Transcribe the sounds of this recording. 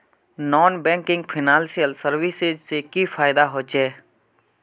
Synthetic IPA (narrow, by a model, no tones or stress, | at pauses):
nɔːnbɛ̃ːŋkɪ̃ŋɡ̚pʰɪnãːnsijəlsəɾʋɪsed͡ʒsekifʰaːɪd̪aɦoːt͡ʃɛː